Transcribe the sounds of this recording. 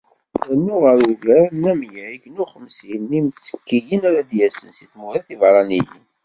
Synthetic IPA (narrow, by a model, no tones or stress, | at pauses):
ænːuʁəɾuʝæɾnːæmjʕiçnuχəmsjənːimsə̥kːijənæɾad̪jæsənsiθmuɾæθivɾˤɑnijə̰m